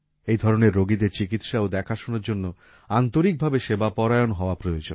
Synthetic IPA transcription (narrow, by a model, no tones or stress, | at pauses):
ejd̪ʱɔɾoneɾːoɡid̪eɾt͡ɕikit̪ʃaod̪ɛkʰaʃunaɾd͡ʑonːo | ant̪oɾik̚bʱabeʃebapɔɾajonɦɔoapɾojod͡ʑon